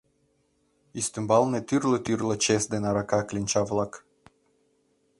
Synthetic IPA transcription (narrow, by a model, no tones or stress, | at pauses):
ist̪ymbalˠnet̪yrlət̪yrlˠət͡ʃesd̪enaɾakaklʲinʲt͡ʃavlˠak